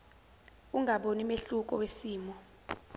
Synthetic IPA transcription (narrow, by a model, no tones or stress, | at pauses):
uŋʱaɓonimeɬuk̬ʼɔ̰wesiːmɔ